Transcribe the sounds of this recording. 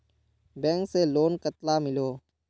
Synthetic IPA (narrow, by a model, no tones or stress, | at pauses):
bẽːŋkseːloːnkət̪laːmɪloː